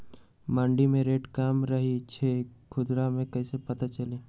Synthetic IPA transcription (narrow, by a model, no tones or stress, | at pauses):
mãːɳɖimẽɾeːʈkaːmɾɐɦit͡ʃʰeːkʰʊd̪ɾamẽkɐisepɐt̪at͡ʃɐleː